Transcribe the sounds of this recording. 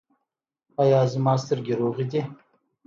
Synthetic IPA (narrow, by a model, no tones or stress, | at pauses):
ajɑːzəmɑːst̪əɾɡʲeɾoːʁid̪i